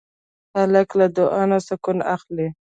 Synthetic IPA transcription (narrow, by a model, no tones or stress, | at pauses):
halaklad̪ʊʔɑnasakʊnaxli